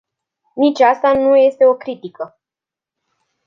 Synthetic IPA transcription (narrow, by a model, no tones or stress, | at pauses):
nit͡ʃʲast̪anuje̞st̪e̞o̞kɾit̪ikə